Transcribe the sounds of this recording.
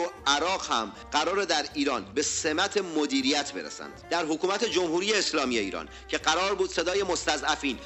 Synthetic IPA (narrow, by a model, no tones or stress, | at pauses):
oʔæɾɒːɢhæ̰m | ɢæɾɒːɾed̪æɾiːɾɒːnbe̞se̞mæt̪ʰe̞mod̪iːɾijæt̪ʰbe̞ɾḛsæ̰nd̪̥d̪æɾɦokʰuːmæt̪ʰe̞d͡ʒo̞mhuːɾijeːslɒːmijeḭːɾɒ̰ːn | cʰe̞ɢæɾɒːɾbuːd̪̥se̞d̪ɒːjemo̞st̪æzæfiːn